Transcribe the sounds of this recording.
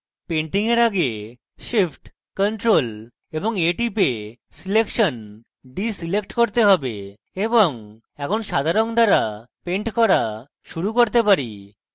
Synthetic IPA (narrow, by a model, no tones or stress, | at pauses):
peɳʈiŋeɾaɡe | ʃipʰʈ | konʈɾol | eboŋeʈipe | silekʃon | ɖisilekʈkoɾt̪eɦɔbḛ | eboŋ | ɛkʰonʃad̪ʱaɾond̪aɾa | peɳʈkɔɾa | ʃuɾukoɾt̪epaɾi